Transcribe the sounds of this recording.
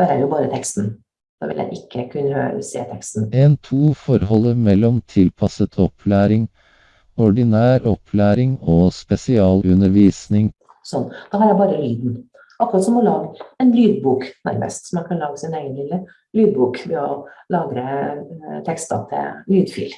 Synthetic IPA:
d̪ɛɾæɾjʊbɑːɾət̪ʰɛkst̪n̩ | d̪̥ɑ̰ːʋɪ̰ljæ̰ɪʔɪkʰːəkʰʉnːə̰sḛːt̪ʰɛkst̪n̩eːnt̪ʰuːfɔɾhɔlːəmɛlːɔmt̪ʰɪlpʰɑsət̪ʰɔpʰlæːɾɪŋ | ɔɖɪnæːɾɔpʰlæːɾɪŋɔspɛsɪɑːlʉnːəɾʋiːsnɪŋ | sɔnːd̪̥ɑːhɑɾjæɪbɑːɾəlyːd̪n̩ | ʔɑkːɾɑt̪sɔmɔlɑːɡɛnlyːd̪buːknæ̰ɾmə̰st̪sɔmɑnkʰɑnlɑːɡəsɪneːɡənlɪlːə | lyːd̪̚buːkʋɛɔlɑːɡɾə | t̪ʰɛkst̪ɑ̰t̪ʰɪ̰lyːd̪fy̰ːl

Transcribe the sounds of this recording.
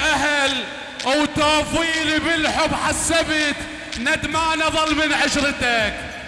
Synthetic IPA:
ʔaɦl | wt̪oːfiːlibɪlħʊbħasːabit̪ | nad̪maːnɑðˤɑlmɪnʕɪʃɾɪd̪aːk

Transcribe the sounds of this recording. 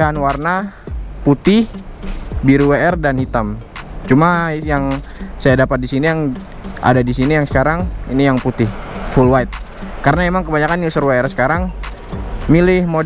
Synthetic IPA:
ɦanwarnaput̪ɪh | biɾuweɛrdanhit̪amt͡ʃumajaŋ | sajadapat̪̚disinijaŋ | ʔa̰dadisinijaŋsə̥kaɾaŋinijaŋput̪ɪhfulwait̪̚ | kaɾənaemaŋkəbaɲakanusərweɛrsə̥kaɾaŋ | milɪhmo

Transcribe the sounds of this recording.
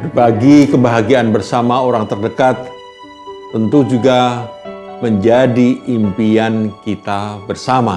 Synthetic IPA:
baɡikəbaɦaɡianbərsamaoɾaŋt̪ərdəkat̪̚ː | ənt̪ud͡ʒuɡa | məɲd͡ʒadiimpiankit̪abərsama

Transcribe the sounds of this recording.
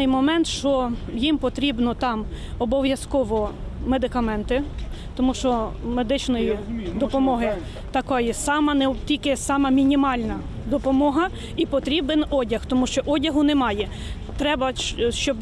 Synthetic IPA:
jmɔmɛnt̪ʃt͡ʃɔjimpɔt̪ɾʲibnɔt̪ɑm | ɔbɔʋʲjɐskɔʋɔmed̪ɪkɐmɛnt̪ɪ | t̪ɔmuʃt͡ʃɔmed̪ɪt͡ʃnɔjid̪ɔpɔmɔɦɪ | t̪ɐkɔjisɑmɐnɛtʲilʲkɪsɑmɐmʲinʲimɑlʲnɐ | d̪ɔpɔmɔɦɐ | ipɔt̪ɾʲibenɔdʲɐxt̪ɔmuʃt͡ʃɔʔɔdʲɐɦʊnɛmɑjɛ | t̪ɾɛbɐʃt͡ʃɔb

